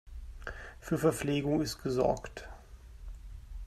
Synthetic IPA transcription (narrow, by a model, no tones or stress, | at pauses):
fyːɐfɛɐp͡fleːɡʊŋɪstɡ̥əzɔ̰ɐkt